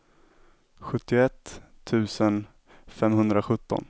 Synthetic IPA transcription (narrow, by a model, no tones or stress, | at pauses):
ɧɵt̪ːɪɛt̪ʰː | ʉ̟ːsən | fɛmɦɵnd̪ɾaɧɵt̪ːɔ̰n